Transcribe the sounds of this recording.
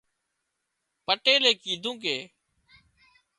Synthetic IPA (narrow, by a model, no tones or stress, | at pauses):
pəʈeːleːkiːd̪ʱũːkeː